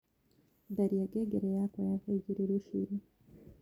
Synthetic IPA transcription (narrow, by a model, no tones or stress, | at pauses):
daɾiaɡeɡeɾejakojaveɟiɾiɾuʃḭɾi